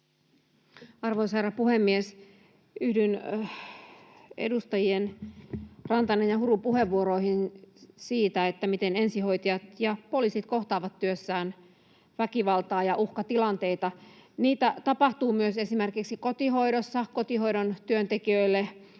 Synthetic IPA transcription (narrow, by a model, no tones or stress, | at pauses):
ɑrʋoiserɑpuhemːies | yhdyn | ḛdust̪ɑjien | rɑnt̪ɑnenjɑhurupuɦeʋːuoɾoihinsiːt̪æet̪ːæmit̪ene̞nsiho̞it̪ijɑt̪jɑpo̞liːsit̪ko̞ht̪ɑːʋɑt̪ːyøsːæːn | ʋækiʋɑlt̪ɑːjɑʔuhkɑt̪ilɑnt̪e̞it̪ɑniːt̪æt̪ɑpɑht̪uːmyøsesimerkiksiko̞t̪iɦo̞iɾosːɑkot̪iɦoidont̪yønt̪ekiøilːe